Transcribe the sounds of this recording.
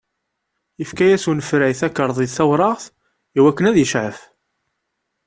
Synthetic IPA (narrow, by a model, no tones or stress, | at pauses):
jəfkæjæsunəfɾæjθækːəɾˤðˤiðθæwɾˤɑʁθ | iwækːənæðjəʃʕəf